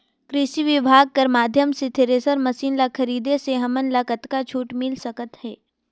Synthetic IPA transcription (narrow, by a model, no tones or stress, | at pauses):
kɾɪʃiʋɪbʱaːɡ̚kɐɾmaːd̪ʱjəmset̪ʰeɾesəɾmɐsiːnlakʰɐɾiːd̪eseɦɐmənlakət̪kat͡ʃʰuːʈmɪlsɐkət̪hɛː